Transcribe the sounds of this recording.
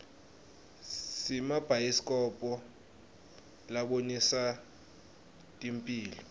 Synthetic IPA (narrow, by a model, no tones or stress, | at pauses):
simab̥ʱajisi̥kʼɔpʼɔ | laɓonisa | tʼimpʼiːlɔ